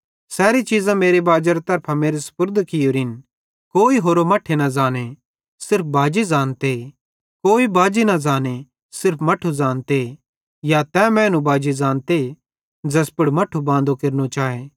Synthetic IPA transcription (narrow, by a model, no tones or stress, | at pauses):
sɛːɾit͡ʃiːzãmeːɾebaːd͡ʒəɾt̪ɐɾpʰameːɾesʊ̥pʊɾd̪ʱkɪjoːɾɪn | koːiɦoːɾomɐʈʰenɐzaːne | sɪɾp̚ʰbaːd͡ʒizaːnt̪e | koːibaːd͡ʒinɐzaːne | sɪɾpʰmɐʈʰuzaːnt̪e | jat̪ɛmɛ̃nũbaːd͡ʒizãːnt̪e | d͡ʒɐspʊɽmɐʈʰubãːnd̪okeɾnot͡ʃaːeː